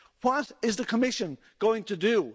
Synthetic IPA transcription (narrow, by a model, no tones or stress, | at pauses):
wʌɾɪzðɨkʰəmɪʃɨ̃n | ɡ̥oʊɪ̃ŋtʰɨdɨ